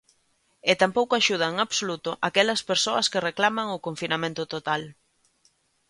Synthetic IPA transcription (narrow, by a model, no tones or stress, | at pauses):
ɪt̪ampowkoaʃuð̞ɐeŋaβsolut̪ʊʔakɛlɐspeɾsoɐskɪreklamɐŋʊkoɱfinamẽnt̪ʊt̪ot̪al